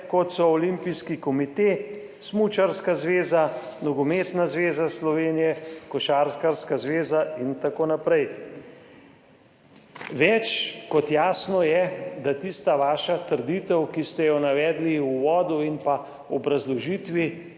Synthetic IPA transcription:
kɔt̪sɔɔlimpiskikɔmit̪eː | smut͡ʃaɾskazʋeːzanɔɡɔmeːt̪nazʋeːzaslɔʋeːnijɛkɔʃaːɾkaɾskazʋeːzaint̪akoːnapɾɛj | ʋɛt͡ʃkɔt̪jaːsnɔjɛd̪at̪ist̪aʋaːʃat̪əɾd̪it̪ɛwkist̪ɛjɔnaʋɛːd̪liuʋɔːd̪uinpa | ɔbɾazlɔʒiːt̪ʋi

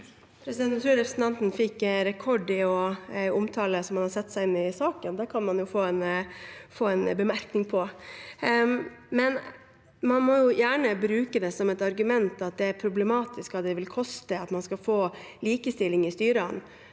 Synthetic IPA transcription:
pʰɾɛsɪd̪ɛnnt̪ʰɾʉːɾɛpɾəsn̩t̪ɑnt̪n̩fɪkːɾɛkʰɔɖɪɔʊmt̪ʰɑːləsɔmːɑnhɑɾsɛt̪ːsæɪɪnːɪsɑːkənd̪æɾkʰɑnmɑnjʊfoːɛnfoːɛnbəmæɾknɪŋpʰɔ | mɛn | mɑnmɔjʊjæːɳəbɾʉːkəd̪ɛsɔmɛt̪ɑɾɡʉmɛnt̪ɑt̪̚d̪ɛæɾpʰɾʊblɛmɑːt̪ɪskʋɑd̪ɛʋɪlkʰɔst̪əɑt̪mɑnskɑfoːliːkəst̪ɪlːɪŋɪst̪yːɾəən

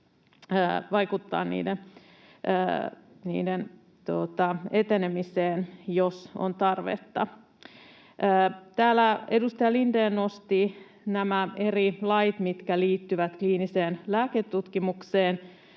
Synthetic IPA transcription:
əːʋɑikut̪ːɑ̰ːnnḭːden | ə̰ːnḭːden | t̪ot̪ɑet̪enemiseːnjoso̰nt̪ɑrʋḛt̪ːɑ | ʔəːt̪æːlæedust̪ɑjɑlindeːnnost̪i | næmæerilɑjt̪mit̪kæliːt̪ːyʋæt̪kliːniseːnlæːket̪ːut̪kimukseːn

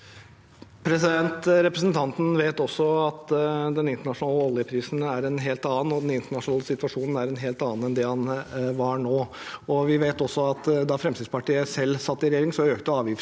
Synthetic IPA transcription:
pʰɾɛsɪd̪ɛnt̪ɾɛpɾəsnt̪ʰɑnt̪n̩ʋeːt̪ɔsːɔɑt̪d̪ɛnɪnt̪əɳɑʂʊnɑːləɔljəpʰɾiːsnæɾɛnɦeːlt̪ɑːn̩ɔd̪ɛnɪnt̪əɳɑʂnɑːləsɪt̪ʋɑʂuːnn̩æɾɛnɦeːlt̪ɑːn̩ɛnd̪ɛhɑnʋɑɳoː | ɔʋɪʋeɪt̪ɔsːɔɑt̪d̪ɑfɾɛmsɪːd̪spʰɑʈiːəsɛlːsɑt̪ːɪɾɛjeːɾɪŋsɔøːkt̪əɑːʋjɪf

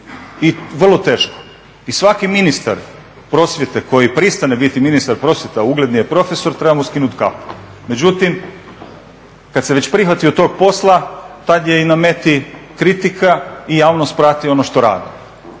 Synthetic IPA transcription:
iʋr̩lˠo̞t̪e̞ːʃko̥ | isʋakiminist̪a̰ɾ | pɾo̞sʋje̞t̪ekʰo̞jipɾist̪anebit̪iminist̪aɾpɾosʋjet̪auɡle̞d̪nijepɾo̞fe̞so̞ɾt̪ɾebamoskinut̪ka̰po̥ | me̞d͡ʑut̪im | kad̪seʋe̞t͡ɕpɾixʋat̪iot̪o̞ɡ̚po̞slˠat̪ad̪jeiname̞t̪ikɾit̪ikʰaijaːʋnost̪̚pɾat̪io̞noʃt̪o̞ɾa̰ːd̪i

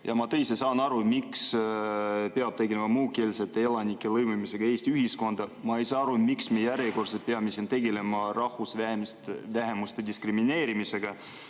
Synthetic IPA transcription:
jʔɑmɑt̪e̞jsesɑːnɑɾumiks | pe̞ɑb̥t̪e̞ɡelemɑmuːke̞ːlset̪ːeelɑnikːˑelɤjmumise̞ɡ̥ɑe̞ːst̪iyɦisko̞nd̪̥ɑmɑe̞jsɑːɑɾumiksmejæɾjeko̞rsepeɑmisint̪e̞ɡ̥e̞le̞mɑrɑhvusæstvæɦe̞must̪e̞d̪iskrimine̞ːɾimise̞ɡ̥ɑ

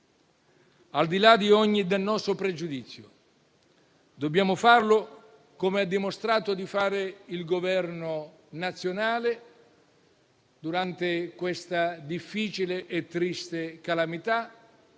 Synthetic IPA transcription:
ald̪ilad̪iɔɲːid̪elnɔːst̪opɾed͡ʒud̪it̪sːjo̰ | d̪objaːmʊfarlʊ | komeɛd̪ːimost̪ɾaːt̪ʊd̪ifaːɾɪilɡovɛrnʊ | nat̪sːjonaːle | d̪uɾant̪ekwest̪ad̪ifːiːt͡ʃileʔɛt̪ːɾist̪ekalamit̪a

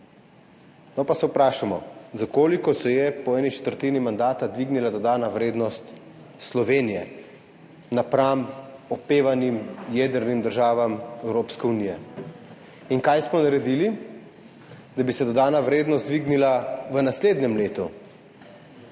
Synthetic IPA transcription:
nɔpasɛupɾaːʃamɔ̰zakoːlikɔsɔjɛpɔɛːnit͡ʃɛ̥t̪əɾt̪iːnimand̪aːt̪ad̪ʋiːɡnilad̪ɔd̪aːnaʋɾeːd̪nɔst̪ | slɔʋeːnijɛ | napɾamɔpeːʋanimjeːd̪əɾnimd̪əɾʒaːʋamɛwɾoːpskɛunijɛ | iŋkajsmɔnaɾɛd̪ili | d̪abisɛd̪ɔd̪aːnaʋɾeːd̪nɔst̪d̪ʋiɡnilaʋənasleːd̪nɛmleːt̪u

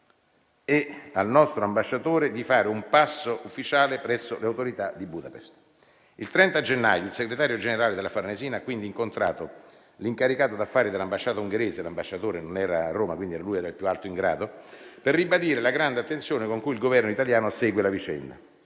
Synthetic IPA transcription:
ɛalnɔst̪ɾoambaʃːat̪oːɾed̪ifaːɾeumpasːoʔufːit͡ʃaːlepɾɛsːoleawt̪oɾit̪ad̪ibud̪apɛst̪ | ilt̪ɾɛnt̪ad͡ʒenːa̰ːjoilseɡɾet̪aːɾjod͡ʒeneɾaːled̪elafarneziːnaakːwind̪iːŋkont̪ɾa̰ːt̪o | liŋkaɾikaːt̪od̪afːaːɾid̪elːambaʃːaːt̪auŋɡeɾeːzelambaʃːat̪oːɾenonɛːɾaːrːoːmakwind̪iɛɾalujɛːɾailpjualt̪oiŋɡɾa̰ːd̪operːibad̪iːɾelaɡɾand̪eat̪ːensjoːnekoŋkuilɡovɛrnoit̪aljaːnosɛːɡwelavit͡ʃɛ̰nd̪a̰

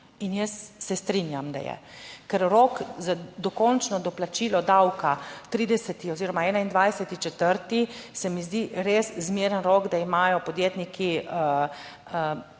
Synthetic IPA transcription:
injəsːɛst̪ɾinjamd̪a̰jɛ̰kɛɾɾɔkzad̪ɔkɔnt͡ʃnɔd̪ɔplat͡ʃiːlɔd̪awkat̪ɾiːd̪ɛsɛt̪iɔziːɾɔmaɛːnaind̪ʋajsɛt̪it͡ʃɛt̪əɾt̪isɛmizd̪iɾeːszmiɾənɾɔɡd̪aimaːjɔpɔd̪jeːt̪niki | ə

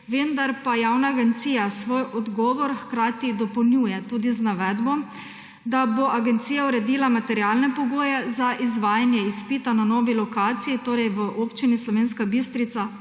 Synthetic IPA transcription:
ʋend̪aɾpajawnaːɡɛnt̪siːjasʋoːjɔd̪ɡɔːʋɔɾxkɾaːt̪id̪ɔpɔwnjuːjɛt̪uːd̪iznaʋɛd̪bɔm | d̪aboʔaɡɛnt̪siːjauɾɛd̪iːlamat̪ɛɾiaːlnɛpɔɡoːjɛzaʔizʋaːjanjɛispiːt̪ananɔːʋilɔkaːt̪sijit̪oːɾɛjʋəʔoːpt͡ʃinislɔʋeːnskabist̪ɾit̪sa

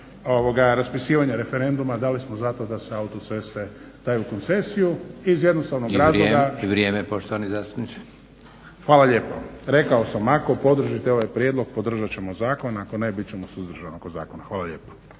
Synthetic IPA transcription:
oʋoɡaɾaspisiːʋaɲeɾe̞feɾe̞nd̪umad̪aːlismozat̪o̞d̪aseaut̪ot̪sese | d̪̥ajuko̞nt̪se̞sijuizje̞d̪nost̪aʋnoɡɾaːzlˠoɡaiʋɾjeːmepoʃt̪oʋanizaːst̪u̥pnit͡ʃi̥ | xʋaːlaʎe̞ːpo̰ɾe̞kao̞samako̞po̞d̪r̩ʒit̪eo̞ʋajpɾjed̪lˠo̞ɡ̚pod̪r̩ʒat͡ɕe̞mo̞zaːko̞nakonebit̪t͡ɕe̞mosuzd̪r̩ʒanokoza̰ːkonaxʋaːlaʎe̞ːpo̥

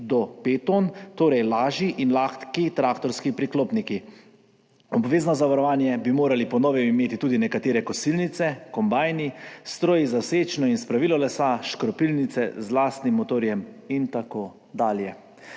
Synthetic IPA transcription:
d̪ɔpet̪ont̪oːɾɛjlaːʒiʔinlaːxt̪kit̪ɾaːkt̪ɔɾskipɾikloːpniki | ɔbʋeːznɔzaʋaɾɔʋaːnjɛbimoːɾalipɔnɔːʋɛmimeːt̪it̪uːd̪inɛkat̪eːɾɛkɔsilnit̪sɛkɔmbaːjnist̪ɾoːjizawseːt͡ʃnɔinspɾaʋiːlɔlɛsaʃkɾɔpilnit̪sɛ̰zlaːst̪nimːot̪oːɾjɛmint̪akoː | d̪aːljɛ

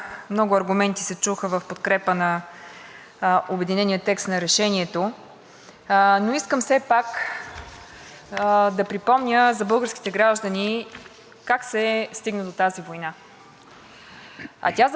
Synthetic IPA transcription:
mnɔɡʊɐɾɡʊmɛnt̪isɛt͡ʃuxəvəfpot̪kɾɛpənɐ | obɛd̪inɛnijət̪ːɛkst̪nɐɾɛʃɛnʲiɛt̪o | noiskəmsɛpak | d̪ɐpɾipɔmnʲəzɐbɤlˠɡəɾskʲi̥t̪ɛɡɾaʒd̪əni | kaksɛst̪iɡnəd̪ot̪azivojna | ɐ̰t̪ʲaz

